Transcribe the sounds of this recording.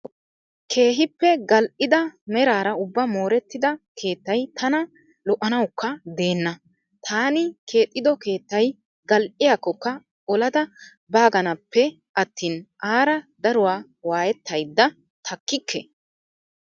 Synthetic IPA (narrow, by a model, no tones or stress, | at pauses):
kʰe̞ːɦɪpːɛɡɐlʔɪd̪ɐmɛɾaːɾɐʊbːɐmo̞ːɾɛt̪ːɪd̪ɐkʰe̞ːt̪ːɐjt̪ʰɐnɐ | lɔʔɐnɐwkːɐd̪e̞ːnːɐ | t̪ʰaːnɪkʰe̞ːt̪ʼːɪd̪ɔke̞ːt̪ːɐj | ɡɐlʔɪjakːɔkːɐ | ɔlɐd̪ɐ | baːɡɐnɐpːɛ | ʔɐt̪ːiːnʔaːɾɐd̪ɐɾʊwaː | waːjɛt̪ːɐjd̪ːɐ | t̪ʰɐkːɪkːɛ